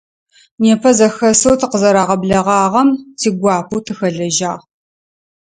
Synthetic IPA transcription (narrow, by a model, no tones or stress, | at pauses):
neːpʰɐzɐxɐsowtʰɨqəzɐɾaːʁɐbɮɐʁɑːʁɐmtʰiːɡʷɑːpʰuwtʰɨxɐɮɐʒaːʁ